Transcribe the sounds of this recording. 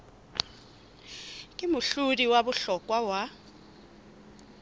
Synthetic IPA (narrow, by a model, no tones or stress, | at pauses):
kʼɪmʊɬudiwabʊɬɔkʼwawa